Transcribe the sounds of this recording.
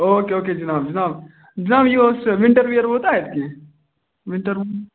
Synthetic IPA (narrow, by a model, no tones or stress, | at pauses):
oːkeoːked͡ʒɐnaːbd͡ʒɐnaːb | d͡ʒɐnaːbjisʋɪ̃ɳʈəɾʋijəɾoːt̪aːɦet̪ke | ʋɪ̃ɳʈəɾʋ